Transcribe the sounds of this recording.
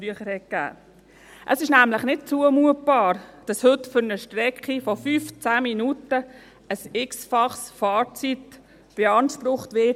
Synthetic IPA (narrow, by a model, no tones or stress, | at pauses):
fɾyəχəɾhɛt̚kɡ̥æ̰ː | ʔəsɪʃnæmləχnɪt̚t͡suəmuət̚b̥ɑːɾd̥ɑshɵtfʏɾnəʃtɾɛkχifɔfyːft͡sæːminutə | əsɪksfɑχsfɑːt͡sit | b̥ɛɑnʃpɾʊχtʋɪt